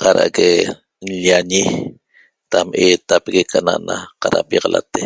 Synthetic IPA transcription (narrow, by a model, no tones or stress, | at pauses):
qaɾa̰ʔɣe | nʎaɲi | t̪ameːt̪apeɣekʰanaʔnaqaɾa̰pjɑʁɑlʔa̰t̪e